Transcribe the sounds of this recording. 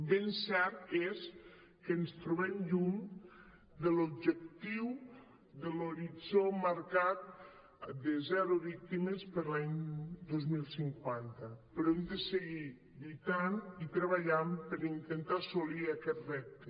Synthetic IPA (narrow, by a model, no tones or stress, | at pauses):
bensɛɾt̪es | kənst̪ɾuβɛmʎuɲ | d̪əlob̚ʒək̚t̪iw | ðəloɾid͡zomaɾkat̪̚ | d̪əzɛɾuβik̚t̪iməspəɾlaɲd̪ozmilˠsiŋkwant̪əpəɾɔemd̪əsəɣi | bit̪anit̪ɾəβaʎampəɾint̪ənt̪asoliakɛt̪rɛp̚t̪e